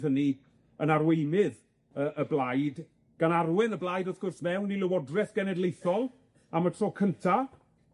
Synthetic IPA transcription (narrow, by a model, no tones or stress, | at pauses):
ðəni | ənarwejmɪð | əʔəblˠajd | ɡ̥anarwɪnəblˠajdɔθɡ̥ʊrsmɛwnilˠɪwɔdrɛθɡ̥ɛnɛdlˠejθɔlˠ | amətʰrɔːkʰəntʰa